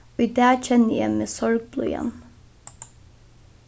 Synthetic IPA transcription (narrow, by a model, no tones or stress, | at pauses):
oːiːd̪æːc͡çʰɛnəjæɪmeːsɔɹɡ̚blṵːjɛ̰n